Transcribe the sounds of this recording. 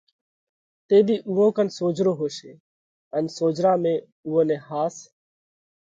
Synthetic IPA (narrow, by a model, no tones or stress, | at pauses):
t̪eːbʱiːʔuːõːkənsoːd͡ʒɾoːɦoːʃeː | ənsoːd͡ʒɾãːmẽː | uːõːnẽːhaːs